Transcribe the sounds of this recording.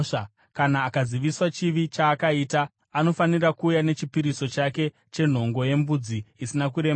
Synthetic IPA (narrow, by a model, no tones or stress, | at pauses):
kanaːkaziʋiswat͡ʃiʋit͡ʃaːkaiːtaː | no̞fanirakuːjane̞t͡ʃipiɾiso̞t͡ʃake̞ | t͡ʃe̞n̤o̞ŋɡo̞je̞mbud͡ziisinakuɾe̞m